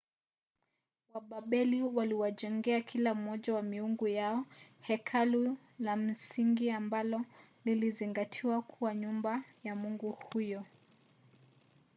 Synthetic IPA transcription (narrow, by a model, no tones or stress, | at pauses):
waɓaɓɛliwaliwaʄɛŋɡɛakʰilam̩mɔʄawamiuŋɡujaɔhɛkʰalu | lam̩siŋɡiambalɔliliziŋɡatʰiwakʰuwaɲumbajamuŋɡuhujɔ